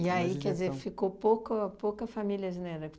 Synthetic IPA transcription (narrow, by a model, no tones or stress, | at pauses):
iaikɛd͡ʒɪzeɾfikopokɐpokɐfamiljɐzneɾɐ